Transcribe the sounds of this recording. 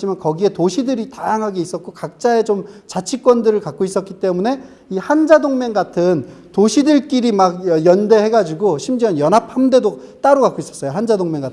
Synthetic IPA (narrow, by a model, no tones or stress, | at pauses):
imankʌɡie̞toɕʰidɯɾitajaŋɦaɡeis͈ʌt̚k͈okak̚t͡ɕ͈ae̞t͡ɕomt͡ɕat͡ɕʰik͈wʌndɯɾɯɭkak̚k͈ois͈ʌt̚k͈it͈e̞mune̞ | ihand͡ʑadoŋme̞ŋɡatʰɯntoɕʰidɯɭk͈iɾimaɡ̚ʌjʌnde̞he̞ɡad͡ʑiɡoɕʰimd͡ʑianjʌnɦapʰhamde̞do | t͈aɾoɡak͈ois͈ʌs͈ʌjoɦand͡ʑadoŋmeŋɡat